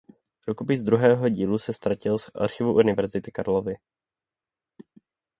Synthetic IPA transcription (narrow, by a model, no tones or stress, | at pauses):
pɾukopɪzd̪ɾuɦɛːɦo̞ɟiːlusɛst̪ɾacɪlsʔa̰ɾxɪvuʔunɪvɛɾzɪt̪ɪkaɾlovɪ